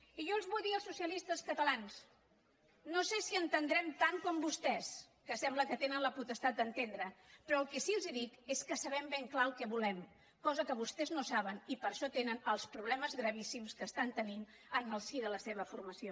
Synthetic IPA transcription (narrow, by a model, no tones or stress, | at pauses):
iʒɔlˠzβujðiəlˠsːusiəlist̪əskət̪əlans | nosesiənt̪ənd̪ɾɛmt̪aŋkɔmbust̪ɛs | kəsɛmbləkət̪enənləput̪əst̪at̪̚d̪ənt̪end̪ɾəpɾɔəlˠkɛsilˠziðik̪eskəsəβɛmbeŋklaəlˠkɛβulɛm | kɔzəkəβ̞ust̪ɛznosaβənipəɾʃɔt̪enənəlˠspɾuβlɛməzɣɾəβ̞isimskəst̪ant̪ənin | ənəlˠsiðələseβ̞əfurməsio